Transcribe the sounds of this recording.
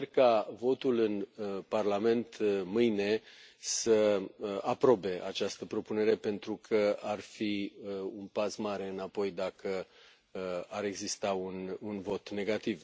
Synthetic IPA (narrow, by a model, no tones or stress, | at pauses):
rkavo̞t̪ulɨnparlame̞nt̪mɨjne̞səapɾo̞be̞ʔa̰t͡ʃast̪əpɾo̞pune̞ɾe̞pe̞nt̪ɾukʰəarfiunpasmaɾe̞ɨnapo̞jd̪akʰə | aɾe̞ɡzist̪aununvo̞t̪ne̞ɡat̪iv